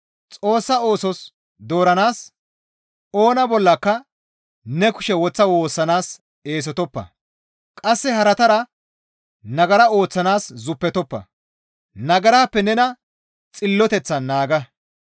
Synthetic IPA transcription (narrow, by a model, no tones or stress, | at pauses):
t͡sʼo̞ːsːɐo̞ːsɔs | d̪o̞ːɾɐnaːs | o̞ːnɐbɔlːɐkːɐ | nɛkʊ̥ʃɛwɔt͡sːɐwoːsːɐnaːs | e̞ːs̬ɔt̪ɔpːɐ̰ | kʼɐsːɛhɐɾɐt̪ɐɾɐ | nɐɡɐɾɐo̞ːt͡sːɐnaːszʊpːɛt̪ɔpːɐ̰ | nɐɡɐɾaːpːɛnɛnɐ | t͡sʼɪlːɔt̪ɛt͡sːɐnːaːɡɐ